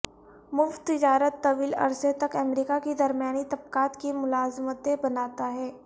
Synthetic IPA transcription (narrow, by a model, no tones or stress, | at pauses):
mʊft̪ːɪd͡ʒaːɾət̪ːɐʋiːlɐ̰ɾset̪ɐkɐmɾiːkaked̪ɐɾmjaːnit̪ɐb̚kaːt̪kimʊlaːzmət̪ẽbɐnaːt̪aɦɛː